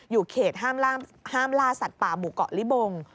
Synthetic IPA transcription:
juː˨˩kʰeː˨˩t̪̚ɦaː˥˩mlaː˥˩haː˥˩mlaː˥˩sa˨˩t̪̚paː˨˩muː˨˩kɔ̰˨ʔli˦˥˩bo˧ŋ

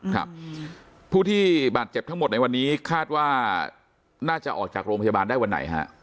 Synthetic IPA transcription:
kʰa̰˦˥˩p̚ | pʰːuː˥˩t̪ʰiː˥˩baː˨˩t̪̚t͡ɕe˨˩p̚t̪ʰmo˨˩t̪̚na˧jwa˧nːiː˦˥kʰaː˥˩t̪̚waː˥˩ | naː˥˩t͡ɕa˨˩ʔɔ̰ː˨˩k̚t͡ɕaː˨˩k̚ɾoː˧pʰa˧ja˧baː˧ndaː˥˩jwa˧nːa̰˩˦jɦa̰˦˥ʔ

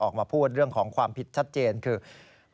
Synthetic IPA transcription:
ʔɔː˨˩k̚maː˧pʰuː˥˩t̪̚ɾɯ˥˩əŋkʰɔː˩˦ŋkʰwaː˧mpʰi˨˩t̪̚t͡ɕʰa˦˥t̪̚t͡ɕeː˧nkʰɯː˧

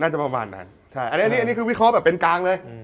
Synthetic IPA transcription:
naː˥˩t͡ɕa˨˩pa˧ma̰ː˧nːa̰˦˥n | t͡ɕʰa˥˩jʔa˧niː˦˥˧ni˦˥a˧ni˦˥kʰɯː˧wi˦˥kʰɾɔ˦˥bɛː˨˩p̚ːe˧nkaː˧ŋlɤː˧j

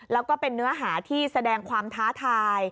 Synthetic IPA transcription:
lɛː˦˥wkɔː˥˩pe˧nːɯ˦˥ɐɦaː˩˦t̪ʰiː˥˩sa˧dɛː˧ŋkʰwaː˧mt̪ʰaː˦˥t̪ʰaː˧j

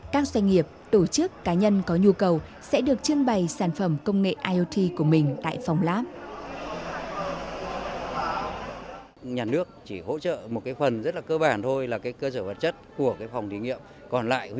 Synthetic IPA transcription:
kaː˦˥k̚zwa˧jŋ̟ŋi˨˩əp̚t̪o˧˩t͡ɕɨ˦˥kːaː˨˦ɲə˧nkɔ˨˦ɲu˧kə˨˩wsɛ̰˧˥ɗɨ˨˩ək̚t͡ɕɨ˧əŋɓə˨˩jsaː˧˩nfə˧˩mkə˧wŋ͡mŋḛ˧˨ʔaː˧jʔo˧t̪ʰi˧ku˧˩əmï˨˩ŋ̟t̪a̰ː˧˨jfa˨˩wŋ͡mlaː˦˥p̚ | ɲaː˨˩nɨ˦˥ək̚t͡ɕi˧˩ho̰˧˥t͡ɕə̰ː˧˨mo˨˩t̚kaː˨˦jfə˨˩nzə˦˥t̚laː˨˩kəː˧ɓaː˧˩nt̪ʰo˧jlaː˨˩kaː˨˦jkəː˧səː˧˩və˨˩t̚t͡ɕə˦˥t̚ku˧˩əkaː˨˦jfa˨˩wŋ͡mt̪ʰi˨˦ŋḭ˧˨əm | kɔ˨˩nla̰ː˧˨j

